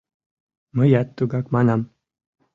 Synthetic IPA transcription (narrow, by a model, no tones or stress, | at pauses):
məjat̪ːuɡakmanam